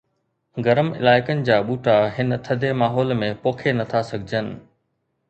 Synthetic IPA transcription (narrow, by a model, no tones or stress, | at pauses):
ɡɐɾəmɪ̰laːɪkənɪ̆d͡ʑaːɓuːʈaɦɪnət̪ʰɐd̪ʱemaːɦɔːlmẽpoːkʰenɐt̪ʰasɐɡʱɪd͡ʑənɪ̰̆